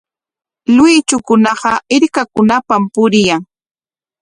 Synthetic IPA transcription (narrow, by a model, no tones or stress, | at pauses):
lʊjt͡ʃʊkʊnɑɢɑɪɾkakʊnapampʊɾɪjaŋ